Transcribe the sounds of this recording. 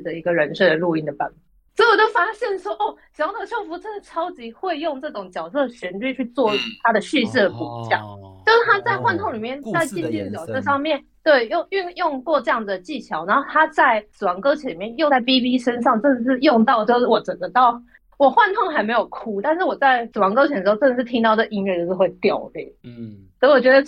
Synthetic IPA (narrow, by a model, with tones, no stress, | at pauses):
d̪ə˩i˧˥ɡə˨ɻə˧˥nʂ̩˥˩d̪ə˩lu˥˧i˥˩ŋd̪ə˩pa˧˩n˨˩swt̪o˥˩fa˥ɕjɛ˥˩nʂwɔ˥ʔo˥˩ʂ̩˨˩˥t̪o˨˩ɕʰjo˥˩fu˧˥ʈ͡ʂʰə˥˩ʈ͡ʂʰɑ˥ʊt͡ɕi˧˥xwe˥˧ɪjʊ˥˧ŋʈ͡ʂɤ˥˩ʈ͡ʂʊ˨˩˦ŋt͡ɕjɑ˨˩ʊsɤ˥˩ɕə˧˥nt͡ɕy˥˧t͡ɕʰy˥˧t͡swɔ˥˧y˥˩t̪ʰa˥d̪ə˨ɕy˥˧ʂ̩˥˩d̪ə˩pu˨˥˩t͡ɕjɑ̰˥˩ŋt͡ɕo˥˧ʂ̩˥˩t̪ʰa˥t͡sa˥˧ɪxwa˥˧nt̪ʰʊ˥˩ŋli˨˩mjɛ˥˩nt͡sa˥˧ɪt͡ɕi˥ɕʰi˥n˧t͡ɕjɑ˨˩ʊsɤ˥˧ʂɑ˥˧ŋmjɛ˥˨˩n | t̪we˥˩ɪjo˥˧y˥˧njʊ˥˧ŋkwɔ˥˧ʈ͡ʂɤ˥˧jɑ˥˩ŋd̪ə˩t͡ɕi˥˩t͡ɕʰjɑ˧˥ʊna˧˥o˥˧t̪ʰa˥t͡sa˥˩ɪs̩˨˩wɑ˧˥ŋkɤ˥ʊt͡ɕʰɥɛ˧˥nli˨˩mjɛ˥˧njo˥˧ʊt͡sa˥˩ɪpi˥pi˥ʂə˥nʂɑ˥˧ŋʈ͡ʂə˥nə˨˩ʂɻ̩˥˧jʊ˥˧ŋt̪ɑ˥˧ʊt͡ɕjo˥˧ʊʂ̩˥˩wɔ˨˩ʈ͡ʂə˨˩ŋɡ̪ə˦t̪ɑ˥˩ʊ | wɔ˨˩xwa˥˧nt̪ʰo˥˩ŋxa˧˥ɪme˧˥ɪjo˨˩ʊkʰu˥t̪a˥˧nʂɻ̩˥˩wɔ˨˩t͡sa˥˩ɪsɹ̩˨˩wɑ˧˥ŋkɤ˥ʊt͡ɕʰɛ˧˥n̩˩˧˥o˥˧ə˥˧˩ʂɻ̩˥˩t̪ʰi˥ŋt̪ɑ˥˧ʊʈ͡ʂə˨ʔi˥nɥɛ˥˧t͡ɕo˥˧ʂ̩˥˧we˥˩ɪt̪jɑ̰˨˩ʊlḭ˥˩sɔ˥˩wɔ˨˩t͡ɕɥɛ˧˥də˧